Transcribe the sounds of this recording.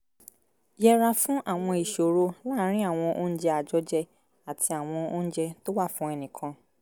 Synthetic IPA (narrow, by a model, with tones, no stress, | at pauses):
jɛ˧ɾa˧fũ˦ʔa˦˨w̃ɔ̃˧i˨ʃo˨ɾo˧laː˦˨˦ɾ̃ĩ˦a˦˨w̃ɔ̃˧ʔo˦n̩˦d͡ʒɛ˦a˨d͡ʒɔ˦d͡ʒɛ˧ | a˨tʰi˧a˨w̃ɔ̃˧o˦ñ̩˦d͡ʒɛ˧to˦wa˦˨fũ˦ɛ˧nĩ˨kʰã˧